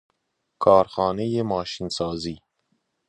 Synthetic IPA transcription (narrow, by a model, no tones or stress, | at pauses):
kʰɑːɾxɑːnejemɑːʃinsɑːziː